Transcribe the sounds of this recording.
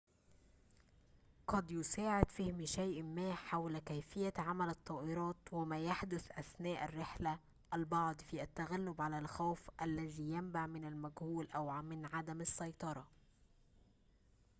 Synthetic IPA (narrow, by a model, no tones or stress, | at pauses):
qɑd̪jʊsaːʕɪd̪fɪhmiʃajʔmæːħawlkæjfɪjːaʕamælɑt̪ˤːɑːʔɪɾˤɑːt̪wɪmæːjaħd̪ʊθʔæθnæːʔærːɪħlæ | ʔælbɑʕd̪ˤfiːʔæt̪ːæɣalːʊbʕalælxawfʔælːæðiːjambaʕmɪnalmæɡhuːlʔæwmɪnʕad̪æmɑsːɑjt̪ˤɑɾˤɑ